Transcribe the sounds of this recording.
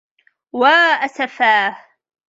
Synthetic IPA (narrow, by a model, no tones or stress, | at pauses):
waːʔasafaːh